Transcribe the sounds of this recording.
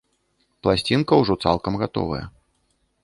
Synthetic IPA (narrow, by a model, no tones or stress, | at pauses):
plˠasʲt͡sʲinkɐwʐɔt̪sa̰lˠkɐmɣat̪ɔ̰vɐ̰jɐ̰